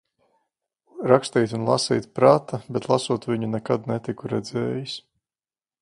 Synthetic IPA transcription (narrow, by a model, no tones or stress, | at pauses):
ɾakst̪iːjt̪ʲunlˠa̰sḭjt̪pɾaːt̪abɛt̪lˠasuɔt̪viɲunɛkad̪nɛt̪ikuɾɛd̪zɛːjis